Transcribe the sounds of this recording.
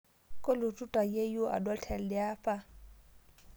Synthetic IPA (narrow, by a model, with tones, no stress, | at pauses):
kʼo˦lʊ˨tʼu˦tʼa˨je˦jo˦ʔa̰˨dwa˦tʰɛ˨ldɪ˦aː˦fʼa˦